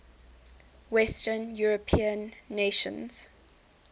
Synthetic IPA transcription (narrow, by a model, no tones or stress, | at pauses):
wɛstənjuɹəpʰĩə̃nːeʃə̰̃nz̥